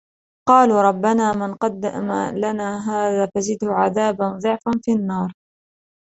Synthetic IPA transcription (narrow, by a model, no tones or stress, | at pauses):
qɑːluːɾˤɑbːanaːmɪnqɑd̪ːa̰ma̰lanaːɦaːðaːfazɪd̪hʊʕaðaːbanðˤɨʕfanfiʔanːɑːɾˤ